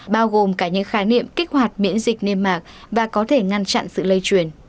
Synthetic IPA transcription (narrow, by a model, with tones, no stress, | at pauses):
ɓaː˧wɣo˨˩mkaː˧˩ɲɨ̰˧˥ŋxaː˨˦nḭ˧˨əmkï˦˥k̟̚hwaː˨˩jt̚mḭ˧˥ənzï˨˩k̟̚ne˧mːaː˨˩k̚ | vaː˨˩kɔ˨˦t̪ʰe˧˩ŋa˧nt͡ɕa̰˧˨nsɨ̰˧˨lə˧jt͡ɕwi˨˩ən